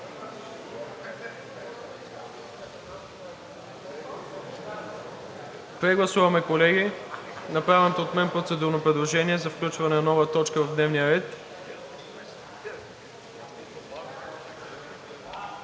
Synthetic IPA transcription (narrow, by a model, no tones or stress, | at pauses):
pɾɛɡlˠɐsuvɐmɛkolɛɡinɐpɾavɛnot̪oːt̪mɛnpɾot̪sɛd̪uɾnopɾɛd̪lˠoʒɛniɛzɐfklʲut͡ʃvɐnɛnɐnɔvət̪ɔt͡ʃkəvɐvd̪nɛvnijəɾɛt̪